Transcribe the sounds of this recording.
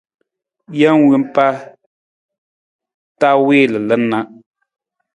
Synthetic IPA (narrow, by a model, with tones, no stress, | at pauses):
ja˦ŋ˦wɨ˦m˦pa˦ | ta˦weː˦˨lɨ˨lə˦nnːa˦ʔ